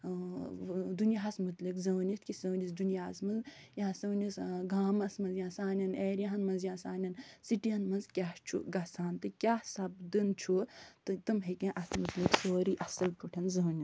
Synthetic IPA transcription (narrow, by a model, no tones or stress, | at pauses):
d̪unjaɦɐsmut̪likzɐːnit̪̚ʰkisɐwnis̬d̪unjaːzmɐnz | jãːsɐːnisɡaːmɐsmɐnzjãːsaːnʲɐneːɾjaɦɐnmɐnzjãːsaːnɐnsiʈiɐnmɐnzkʲat͡ʃʰṵɡɐsaːnt̪ɨkʲaːsɐbd̪ɨnt͡ʃʰut̪ɨt̪ɨmɦekẽʔɐsmut̪liksoːɾiʔɐsɐlkuʈʰɐnzɐːnʲis